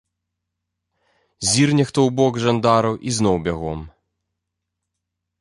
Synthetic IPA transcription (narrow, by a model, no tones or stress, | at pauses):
zʲirnʲɛxt̪ɔwbɔɡʐɐnd̪aɾɐwʔiznɔwbʲaɣɔm